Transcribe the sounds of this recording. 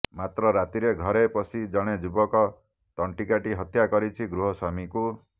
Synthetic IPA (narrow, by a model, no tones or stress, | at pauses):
mat̪ɾɔɾat̪iɾeɡʱɔɾepɔsid͡ʒɔɽ̃ed͡ʒubɔkɔ | t̪ɔɳʈikaʈiɦɔt̪ʰjakɔɾit͡ʃʰiɡɾuɦɔsamiku